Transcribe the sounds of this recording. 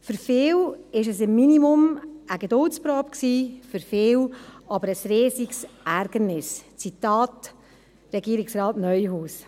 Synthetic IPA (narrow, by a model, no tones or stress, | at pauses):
fʏɾfɪːwɪʃ̬ɛsɪmːinimʊməɡedʊlt͡spɾoːpksiːfʏɾfɪːwɑbəɾəsɾeːsiksʔæɾɡ̥əɾnɪst͡sitɑːt | ɾɛɡiːɾɪksɾɑːtnœʏɦuːs